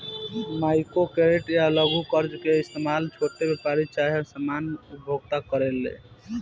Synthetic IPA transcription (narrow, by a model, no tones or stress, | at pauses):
majkokeɾeʈjaləɡʱukəɾd͡ʒkeist̪emalt͡ʃʰoʈːebepaɾit͡ʃaɦəsamanupbʱoɡt̪akəɾelːḛ